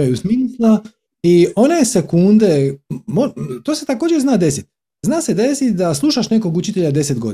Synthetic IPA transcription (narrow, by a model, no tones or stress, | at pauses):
ajusmiːslˠa | io̞nese̞kund̪emot̪oset̪ako̞ːd͡ʑeɾznaːd̪e̞sit̪ | znaːse̞d̪e̞sit̪d̪aslˠuʃaʃne̞ko̞ɡut͡ʃit̪e̞ʎad̪e̞se̞t̪ɡo̞d̪